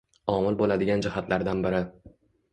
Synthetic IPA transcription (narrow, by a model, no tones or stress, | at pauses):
ɒmɪlbolad̪ɪɡʲand͡ʒɪhat̪ʰlaɾd̪anbɪɾɪ